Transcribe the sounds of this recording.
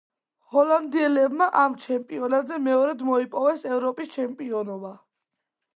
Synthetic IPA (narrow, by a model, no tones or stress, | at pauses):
hɔland̪iɛlɛbmaʔamt͡ʃʰɛmpʼiɔnad̪zɛmɛɔɾɛd̪mɔipʼɔvɛsɛvɾɔpʼist͡ʃʰɛmpʼiɔnɔba